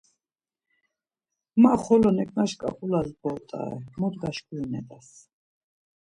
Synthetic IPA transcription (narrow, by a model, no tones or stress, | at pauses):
maχɔlɔnɛkʼnaʃkʼa̰qʼulazbɔlt̪ʼa̰ɛ̰mɔd̪ɡaʃkʼujunɛd̪as